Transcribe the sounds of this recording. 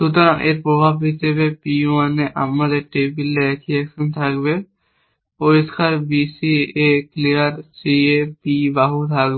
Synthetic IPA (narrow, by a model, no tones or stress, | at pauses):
sut̪ɔɾãŋʔeɾpɾɔbʱabɦisebepiuaneʔa̰maɾeʈebilːeɛkʰiɛksɔnt̪ʰakbe | poɾiskaɾbisieklijaɾsiepibaɦut̪ʰakbe